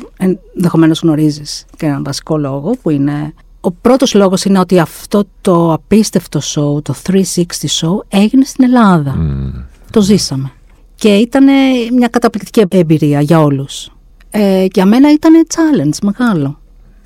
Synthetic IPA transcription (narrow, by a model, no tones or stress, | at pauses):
enðexo̞me̞no̞zɣno̞ɾiziscenɐnvɐsi̥ko̞lo̞ɣo̞puine̞ | opɾo̞t̪o̞zlo̞ɣo̞sineo̞t̪iɐft̪o̞t̪o̞ɐpist̪e̞ft̪o̞so̞ut̪o̞θɾisikst̪iso̞ue̞ʝine̞st̪ine̞lɐðɐ | t̪o̞zisɐme̞ | ce̞it̪ɐne̞mɲɐkɐt̪ɐplik̚t̪i̥ciebiɾiɐʝɐo̞lus | eɐme̞nɐit̪ɐnet͡sɐlend͡zme̞ɣɐlo̞